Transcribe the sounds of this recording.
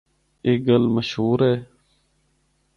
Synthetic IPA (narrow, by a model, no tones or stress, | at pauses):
eːɡəlməʃhuːɾɦɛː